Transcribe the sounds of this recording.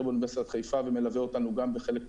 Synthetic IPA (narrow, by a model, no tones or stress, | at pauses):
ʁbonbeseat̪χejfaveme̞laveo̞t̪anuɡambeχelekm